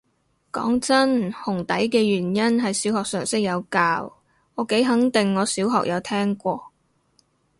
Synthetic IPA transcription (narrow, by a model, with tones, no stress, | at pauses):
kɔ̰ː˨˥ŋt͡sɐ˥nhʊ˨˩ŋt̪ɐ˨˥jkɛː˧jyː˨˩njɐ˥nɦɐ˨jsiː˨˥whɔː˨k̚sœː˨˩ŋsɪ˥k̚jɐ˨˧wkaː˧w | ŋɔː˨˧ke˨˥jɦɐ˨˥ŋt̪ɪ˨ŋːɔː˨˧siː˨˥wɦɔ̰ː˨k̚jɐ˨˧wt̪ʰɛː˥ŋkʷɔː˧